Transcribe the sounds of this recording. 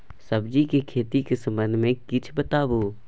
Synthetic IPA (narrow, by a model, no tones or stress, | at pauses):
səbd͡ʒikekʰeːt̪ikesɐ̃mbə̃nd̪ʱmẽkɪt͡ʃʰbət̪aːboː